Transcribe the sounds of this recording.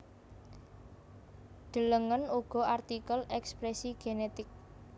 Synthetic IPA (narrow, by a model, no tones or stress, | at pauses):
ɖ̪̥ə̤ləŋənuɡ̥ɔ̤art̪ikəlɛkspɾɛsiɡ̥enet̪ɪk̚